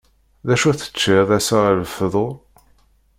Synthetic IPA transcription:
ðæʃuθə̥t͡ʃːɪðæsələfðˤo

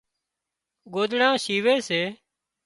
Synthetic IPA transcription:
ɡoːd̪ɽãːsiːʋeːseː

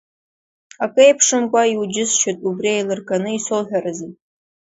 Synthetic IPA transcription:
akʼɨejpʰʂɨmkʷʼaiwud͡ʒɪsʃetʼubriejlɨrkʼanɨisɨlħʲʷᶣarɨzitʼ

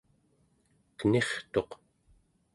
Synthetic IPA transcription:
kəne̞χt̪o̞q

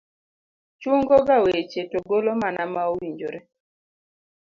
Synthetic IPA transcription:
t͡ʃʊŋɡɔɡawet͡ʃetoɡolomanamaowiɲd͡ʒoɾe

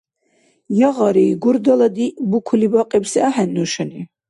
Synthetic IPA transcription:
jaʁaɾiːɡuɾd̪alad̪ibukʰulibaqʼibsɛaħɛnːuʃɛni

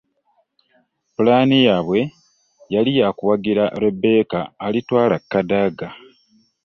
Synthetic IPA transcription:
pulaːnijaβwe̞ | jalijaːkuwaɡiɾaʔlebːe̞ːkaːlitwaːlakːadaɡa

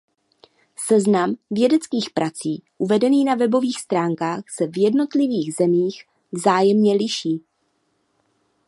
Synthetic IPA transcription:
sɛznamvjɛdɛt͡skiːxpɾʔat͡siːʔuvɛdɛniːnavɛbo̞viːxst̪ɾaːŋkaːxsɛvjɛdno̞t̪lɪviːɣzɛmiːx | vzaːjɛmɲɛlɪʃiː

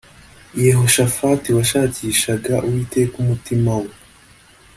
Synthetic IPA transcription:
jeɦo̞ʃafatiwaʃaːciːʃaɡaʔuwiːtekumutimawe

